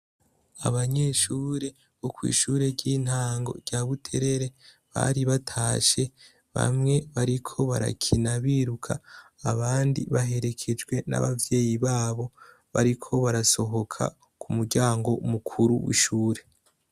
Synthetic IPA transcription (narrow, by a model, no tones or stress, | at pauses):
a̰βaɲe̞ːʃuːɾe̞ | βokwḭːʃuːɾe̞ɾɟin̥haːŋɡo̞̰ɾɟaβutʰe̞ɾe̞ɾe̞ | βa̰ɾiβatʰaːʃe̞ | βa̰mŋe̞βaɾikʰo̞βa̰ɾa̰kʰinaβiːɾukʰaː | βaːndḭβaɦe̞ɾe̞kʰe̞d͡ʒɡwe̞na̰βavje̞ːjiβaːβo̞ | βaɾikʰo̞βaɾaso̞ɦo̞kʰa̰ | kʰumuɾɟaːŋɡo̞mukʰuɾuwḭʃuːɾe̞